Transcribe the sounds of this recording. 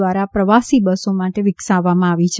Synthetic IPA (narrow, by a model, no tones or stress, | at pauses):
ʋaɾapɾəʋasibəsomaʈeʋɪksaʋːamãaʋit͡ʃʰ